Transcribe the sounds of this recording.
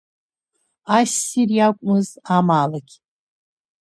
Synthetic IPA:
asirjakʷʼmɨzamaːlaɡʲ

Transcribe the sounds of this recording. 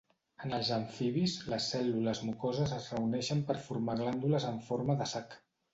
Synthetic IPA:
ənəlˠzəɱfiβizləsːɛluləzmukozəzəzrəunɛʃəmpəɾfuɾmaɣ̞land̪uləzəɱfoɾməðəsak

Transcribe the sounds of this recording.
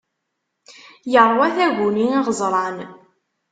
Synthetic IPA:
jəɾˤwæθæʝuniniʁəzˤɾˤɑn

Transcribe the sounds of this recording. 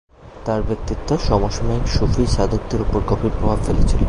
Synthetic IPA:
t̪aɾbɾek̚t̪it̪ːoʃɔmoʃomaikʃufiʃad̪ʱok̚d̪eɾupoɾkɔpʰipɾɔbʱabfelet͡ɕʰilo

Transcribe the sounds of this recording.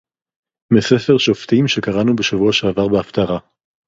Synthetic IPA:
mesefeʁʃoft̪imʃe̞kaʁanubeʃavuaʃeavaʁbeaft̪aʁa

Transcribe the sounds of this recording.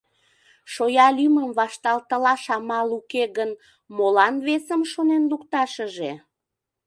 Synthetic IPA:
ʃojɑlyməmβɑʃt̪ɑlt̪əlɑʃɑmɑlukeɣən | molɑnβesəmʃonenlukt̪ɑʃəʒe

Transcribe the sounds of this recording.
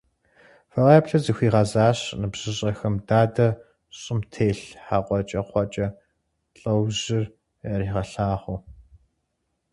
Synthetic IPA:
fɐʁɐɛpɬɐzixʷiːʁɐzaːɕnɨbʑ̥ɪɕʼɐxɐmdaːdɐ | ɕʼɪmtʰeːɬħaːqʷʼɔt͡ʃʼɐqʷʰɔt͡ʃʼɐ | ɬʼɐwʑɪr | ɐriːʁɐɬaːʁʷʊ

